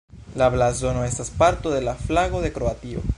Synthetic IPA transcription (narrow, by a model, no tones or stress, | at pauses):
laβlazonoest̪aspaɾt̪oðe̞laflaɣo̞ðe̞kɾoat̪io̰